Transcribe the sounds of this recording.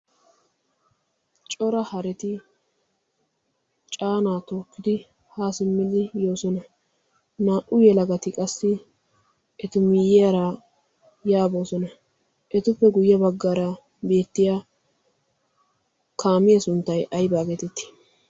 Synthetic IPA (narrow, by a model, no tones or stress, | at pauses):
t͡ʃʼɔɾɐhɐɾɛt̪ɪ | t͡ʃʼaːnaːt̪oːkːɪd̪ɪ | haːsɪmːɪlɪjo̞ːsɔnɐ | naːʔʊjɛlɐɡɐt̪ɪkʼɐsːɪ | ʔɛt̪ʊmɪjɪjɐɾa | jaːbo̞ːsɔnɐ | ʔɛt̪ʊpːɛɡʊjːɐbɐɡːaːɾɐ | be̞ːt̪ːɪjaː | kʰaːmɪjɐsʊnt̪ːɐjʔɐjbaːɡɛt̪ɛt̪ːɪ̥